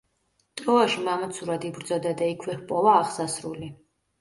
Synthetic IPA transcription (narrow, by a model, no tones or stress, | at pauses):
t̪ʼɾɔaʃimamat̪sʰuɾad̪ibɾd̪zɔd̪ad̪aikʰwɛhpʼɔvaːχsasɾuli